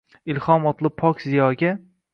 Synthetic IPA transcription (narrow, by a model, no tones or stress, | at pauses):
ɪlˠhɒmɒt̪ʰlˠɪpʰːɒkʲzijɒɡʲa